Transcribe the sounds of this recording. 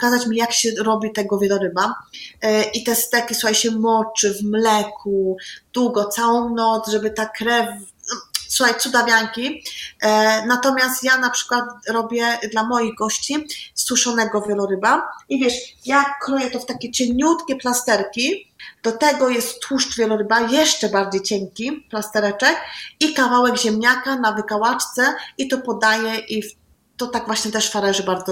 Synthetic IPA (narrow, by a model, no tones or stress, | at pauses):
ɔkazat͡ɕmʲijakɕɛɾɔbʲit̪ɛɡɔvʲjɛlɔɾɘba | ʔit̪ɛst̪ɛkʲisuxajɕɛmɔt͡ʂɘvmlɛkʰud̪̥wuɡɔt̪sawɔ̃w̃nɔt̪zʐɛbɘt̪akɾɛf | suxajt̪sud̪avʲjaŋkʲi | nat̪ɔmʲjast̪janapʂɘ̥kwat̪ɾɔbʲjɛd̪lamɔjiɣɡɔɕt͡ɕist̪wuʂɔnɛɡɔvʲjɛlɔɾɘbaivʲjɛʂjakɾɔjɛt̪ɔft̪akʲɛt͡ɕɛɲut̪kʲɛplast̪ɛɾkʲid̪̥ɔt̪ɛɡɔjɛst̪ːwuʂt͡ʂvʲjɛlɔɾɘbajɛʂt͡ʂɛbaɾd͡ʑejt͡ɕɛŋkʲiplast̪ɛɾɛt͡ʂɛkikavawɛɡʑɛmɲakanavɘkawat͡ʂt̪sɛit̪ɔpɔd̪ajɛʔif | t̪ɔt̪aɡvwaɕɲɛt̪ɛʂfaɾɛʐɘbaɾzɔ